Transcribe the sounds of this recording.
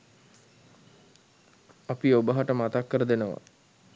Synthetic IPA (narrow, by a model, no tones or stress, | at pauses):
apiobəɦaʈəmat̪akːəɾəd̪enəʋa̰